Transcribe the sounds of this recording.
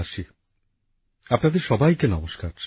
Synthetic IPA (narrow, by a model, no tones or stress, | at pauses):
aʃi | apnad̪eɾʃɔbajkenɔmoʃkaɾ